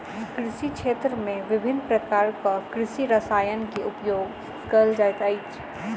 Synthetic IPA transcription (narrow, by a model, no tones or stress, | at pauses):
kɾɪʃikʃeːt̪ɾəmẽʋɪbʱɪnːpɾɐkaːɾkakɾɪʃiɾɐsaːjənkiʔʊpjoːɡ | kɐld͡ʒaːjt̪aːit͡ʃʰ